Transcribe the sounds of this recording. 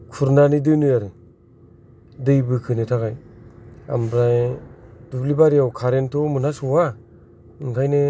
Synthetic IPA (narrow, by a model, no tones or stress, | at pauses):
kʰuɾnanidɯjnujaɾɯ | dɯjbɯkʰɯnetʰakaj | a̰mbɾajd̥uplibaɾijawkʰaɾentʰɔmɯnasuwa | ɯŋkʰajne